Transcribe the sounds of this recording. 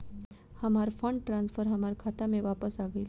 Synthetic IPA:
həmaɾfəɳɖʈɾãnsfəɾɦəmaɾkʰat̪amẽʋapəsaɡəjl

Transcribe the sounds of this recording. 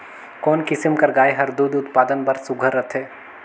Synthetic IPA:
kɔːnkɪsɪmkɐɾɡaːeɦɐɾd̪uːd̪ʊt̪paːd̪ənbɐɾsʊɡʱəɾːət̪ʰeː

